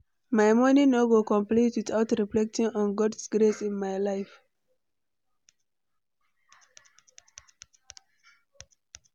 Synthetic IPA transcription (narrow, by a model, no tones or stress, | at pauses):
maɪmɔninoɡokɔ̃mplitwitaʊtɹiflɛk̚tĩŋɔ̃nɡɔdsɡ̥ɾesĩnmajlaɪf